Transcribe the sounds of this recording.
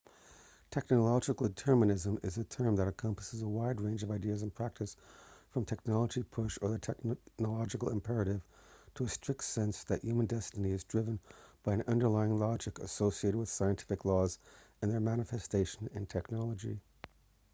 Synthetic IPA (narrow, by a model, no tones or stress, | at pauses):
tʰɛk̚nəlɑd͡ʒɨkl̩ˠtʰɜ˞mɨnɪzə̃mɪzɨtʰɜ̃˞mðɨɾɨkʰʌ̃mpə̥səzəwaɪd̚ɹẽɪ̃nd͡ʒʌvaɪdiɨzə̃n̩pʰɹ̥æk̚tɨsfɹʌ̃mtʰɛk̚nɑlˠəd͡ʒipʰʊʃə˞ðɨtʰɛknəlɑd͡ʒɨkl̩ˠə̃mpʰɛɹɨɾɪv̥tʰəːstɹ̥ɪk̚tsɛ̃nsðɨʔjʉmə̃ndɛstɨniɨzdɹɪvə̃nb̥aɪɨ̃nʔʌ̃ndə˞laɪɪ̃ŋlɑd͡ʒɨkɨ̰soʊsieɪɾɨd̚wɨð̥saɪɨ̃ntʰɪ̥fɨklɔz | ɨ̃nðə˞mæɾ̃ɨfɛsteɪʃɨ̃nɨ̰̃ntʰɛknɑlˠəd͡ʒḭ